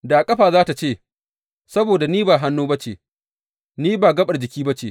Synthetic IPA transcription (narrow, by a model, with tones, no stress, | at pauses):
daː˨kʼɐ˦ɸaː˨zaː˦ta˨t͡ʃeː˦˨ | sɐ˦boː˨da˨niː˦baː˨ɦa˦nːuː˦bɐ˦t͡ʃḛː˨ | niː˦baː˨ɡɐ˦ɓɐ˨ɽd͡ʒɪ˨kʲiː˦bɐ˦t͡ʃeː˨